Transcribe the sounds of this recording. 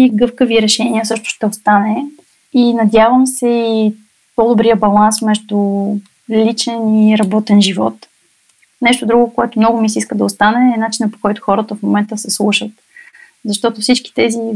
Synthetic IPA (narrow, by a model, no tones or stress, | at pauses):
iɡɤfkəviɾɛʃɛniəsɤʃt̪ʊ̥ʃt̪ɛost̪anɛ | inɐd̪ʲjavəmsɛi | pɔd̪obɾiəbɐlˠansmɛʒd̪ʊ | lit͡ʃɛniɾɐbɔt̪ɛnʒivɔ̰t̪ | nɛʃt̪ʊd̪ɾuɡʊkoɛt̪ʊmnɔɡʊmisiskəd̪ɐost̪anɛːnat͡ʃinəpo̥kɔjt̪ʊ̥xɔɾət̪əfmomɛnt̪əsɛslˠuʃət̪̚ | zɐʃt̪ɔt̪ʊfsit͡ʃki̥t̪ɛzi